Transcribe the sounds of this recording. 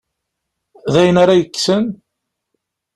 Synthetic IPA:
ðæjənaɾɑjəkːsən

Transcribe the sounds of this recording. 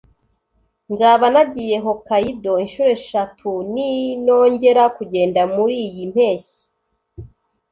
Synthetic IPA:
nzaːβanaɟije̞ɦo̞kajido̞inʃuːɾe̞ʃatʰunino̞ːɲɟe̞ɾakuɟe̞ːndamuɾiːjim̥e̞ːçi̥

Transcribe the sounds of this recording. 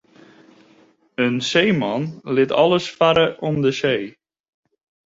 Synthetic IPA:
ənsejmɑnlɪtɑ̰ləsfaɾəʔɔmdəsej

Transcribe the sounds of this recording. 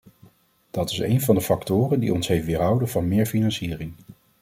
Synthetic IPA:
d̥ɑtɪsejnvɑndəfɑktʊːrəndḭɔnsɦejfʋɪːlɦʌwdəvɑnmɪːɹfinɑnsiːrɪŋ

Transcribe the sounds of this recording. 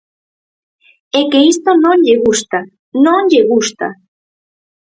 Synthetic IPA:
ekeist̪onõŋʎeɣust̪a | nõŋʎeɣust̪a̰

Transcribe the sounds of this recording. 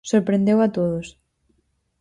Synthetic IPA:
soɾpɾẽnd̪ewat̪oðos

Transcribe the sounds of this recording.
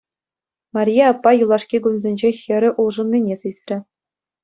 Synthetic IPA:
mɑrʲijɑɑpːɑjulˠɑʂkʲiɡunzʲenʲd͡ʑexʲɘ̆ɾʲɘ̆ʔulˠʐɤ̆nʲːinʲesɯsʲrʲɘ̆

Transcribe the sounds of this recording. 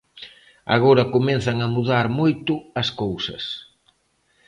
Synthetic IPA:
a̰ɣoɾɐkomɛn̟θɐŋɐmuðaɾmojt̪ʊɐskowsɐ̰s

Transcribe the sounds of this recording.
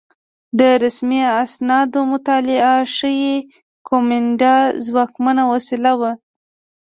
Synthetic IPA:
d̪əɾasmiasnɑd̪omʊt̪ɑlɪaʂəje | kʰomɪɳɖɑzwɑkmanawasilawa

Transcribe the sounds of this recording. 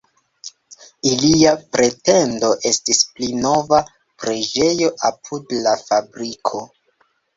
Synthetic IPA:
iliapɾe̞te̞ndo̞ʔe̞stisplino̞va | pɾe̞d͡ʒe̞jo̞ʔapʰudlafabɾikʰo̞

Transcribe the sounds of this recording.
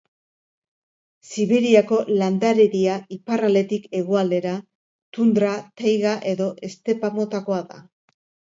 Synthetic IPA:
siβeɾiako̞land̪aɾe̞ɾiaiparale̞t̪ike̞ɣ̞oald̪e̞ɾa | t̪und̪ɾat̪ajɣaʔe̞ðo̞ʔe̞st̪e̞pamo̞t̪ako̞aða̰

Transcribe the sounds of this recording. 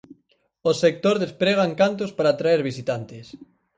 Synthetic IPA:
osek̚t̪oɾðespɾeɣ̞aŋkant̪̬ospaɾaːt̪ɾaeɾβisit̪ant̪es

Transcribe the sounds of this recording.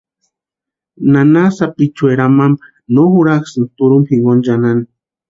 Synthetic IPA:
nanasapit͡ʃweɾamam | noxuɾaksɨnt̪uɾumhiŋɡond͡ʒanani

